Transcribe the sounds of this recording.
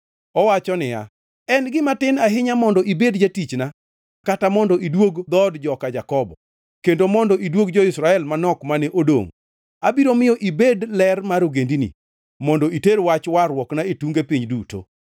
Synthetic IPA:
ɔwat͡ʃɔnɪja̰ | ɛnɡɪmatɪnaɦɪɲamɔndɔʔibedd͡ʒetit͡ʃna | katamɔndɔʔidwoɡd̪ɔdd͡ʒɔkad͡ʒakɔbɔ̰ | kendomɔndɔʔidwoɡd͡ʒɔɪsɾaɛlmanɔkmanɛʔodo̰ŋ | abiɾomɪjɔʔibedlɛrmaɾoɡendinḭ | mɔndɔiteɾwat͡ʃwaɾwɔknaetuŋɡepiɲduto̰

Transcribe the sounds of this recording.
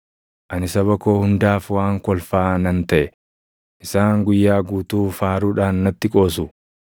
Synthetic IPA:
ʔɐnɪsɐβɐkoːhʊnd̪aːfwaːŋkɔlfaːnɐnt̪ɐʔɛ | ʔɪsaːŋɡʊjːaːɡuːt̪uːfaːɾuːᶑaːnːɐt̪ːɪkʼo̞ːs̬ʊ

